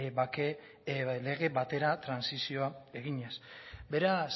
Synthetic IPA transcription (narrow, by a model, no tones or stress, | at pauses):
bake | le̞ɣ̞e̞bat̪e̞ɾat̪ɾansisio̞ae̞ɣ̞iɲesbe̞ɾas